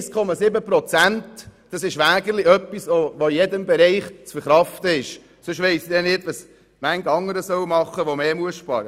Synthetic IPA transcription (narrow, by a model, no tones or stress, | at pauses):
skʰɔmɑsɪbəpɾɔt͡sæntd̥ɑsɪʃʋæːɡəlɪœpːisʋoʋoɪjɛdəmbɛɾɛɪχt͡sfəɾχɾɑft̪əɪʃ | sʊʃʋeɪsid̪ɛnɪtʋɑs | mæŋɡɑŋəɾəsœwmɑχːəʋomeːmuəsʃpɑ̰ːɾə